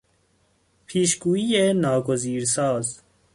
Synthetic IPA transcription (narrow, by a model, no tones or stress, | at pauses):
pʰiːʃɡuːienɑːɡoziːɾsɑːz